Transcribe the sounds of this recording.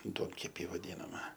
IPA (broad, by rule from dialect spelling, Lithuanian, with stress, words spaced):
ˈduɔŋʲkʲɛpʲiː ʋɐˈdʲiːnɐmɐ